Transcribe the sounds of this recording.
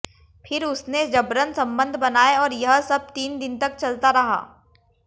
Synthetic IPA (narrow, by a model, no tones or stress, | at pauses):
pʰɪɾʊsned͡ʒɐbɾənsɐ̃mbə̃nd̪ʱbɐnaːeɔːɾjɐɦsɐb̚t̪iːnd̪ɪnt̪ɐk̚t͡ʃɐlt̪aɾɐɦa̰ː